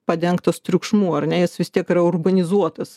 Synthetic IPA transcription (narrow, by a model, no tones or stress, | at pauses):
pɐd̪ʲɛŋkt̪ɐst̪ʲɾʲʊkʃmuːɐrnʲɛjɪsʋʲɪst̪ʲiɛkiɾɐʊrbɐnʲɪzuɔt̪ɐs